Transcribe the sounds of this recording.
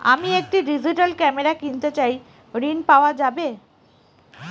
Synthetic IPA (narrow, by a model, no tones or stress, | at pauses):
a̰miek̚ʈiɖizʱiʈalkɛmeɾakint̪et͡ɕaj | ɾinpaoad͡ʑabe